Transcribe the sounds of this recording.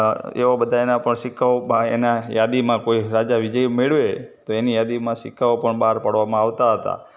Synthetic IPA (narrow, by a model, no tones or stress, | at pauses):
ḛʋabəd̪ʱaenapəɳʃɪkʰːaobaḛnajad̪imãkoiɾad͡ʒaʋɪd͡ʒəjmeɭʋet̪oenijad̪imãʃɪkʰːaopəɳbaɾpəɽʋamãaʋt̪aɦət̪a̰